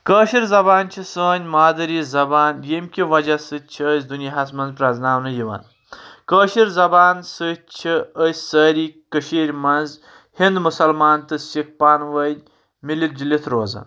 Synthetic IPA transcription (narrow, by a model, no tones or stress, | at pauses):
kəːʃiɾzɐbaːnt͡ʃʰisəːnʲmaːd̪ɐɾizɐbaːnjimʲkʲiʋɐd͡ʒasɨt͡ʃʰiəsʲd̪unjaɦɐsmɐnzpɾɐznaːmnɨjiʋɐ̰n | kəːʃiɾzɐbaːnsɨt͡ʃʰiəsʲsəːɾiːkəʃiːɾʲmɐnz | hind̪musɐlmaːnt̪ɨsik̚paːnʋɐdʲ | milil̚d͡ʒilit̪ʰɾoːzɐ̰n